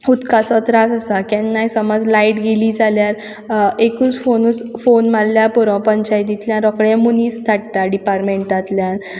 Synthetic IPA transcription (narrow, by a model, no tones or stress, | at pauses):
ut̪kasɔt̪ɾasasakɛnːajsəmɔd͡zlaiʈɡeliːd͡zaljaɾ | ekuːt͡sfonut͡sfonmalːjapuɾɔ̃pəɲt͡ɕajt̪it̪ljãɾɔkɽẽmuniːst̪ʰaʈt̪aɖipaɾmeɳʈat̪ljãn